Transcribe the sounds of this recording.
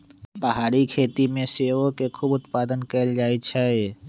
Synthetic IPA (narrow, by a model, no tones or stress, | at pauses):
pəɦaːɾikʰeːt̪imẽseːʋõkekʰuːbʊt̪paːd̪ənkəld͡ʒaːit͡ʃʰae